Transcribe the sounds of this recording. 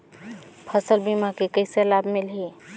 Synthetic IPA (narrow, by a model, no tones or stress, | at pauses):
pʰəsəlbimakekəɪselabmilɦi